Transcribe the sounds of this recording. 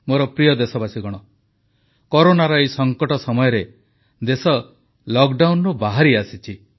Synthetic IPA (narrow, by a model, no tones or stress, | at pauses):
moɾɔpɾijɔd̪esɔbasiɡɔɽ̃ɔ | kɔɾonaɾɔesɔŋkɔʈɔsɔmɔjɔɾe | d̪esɔ | lɔkɖawnɾubaɦaɾiasit͡ʃʰi